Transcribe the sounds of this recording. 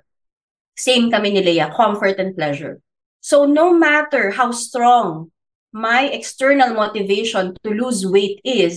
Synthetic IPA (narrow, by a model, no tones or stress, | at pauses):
sẽjmkɐmɪnɪlɐjɐkʰɔmfɔɹt̪ɛn̚plɛʃɛ̰ɹ | sownomæt̪ɛɹhawst̪ɹɔŋ | majʔɛkst̪ɛɹnɐlmot̪ɪvejʃɔ̃nt̪ʊluswejt̪ɪs